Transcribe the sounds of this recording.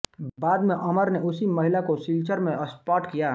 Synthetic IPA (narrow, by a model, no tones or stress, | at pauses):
baːd̪mẽʔɐməɾneʔʊsiməɦɪlakosiːlt͡ʃəɾmẽʔəspaːʈkijaː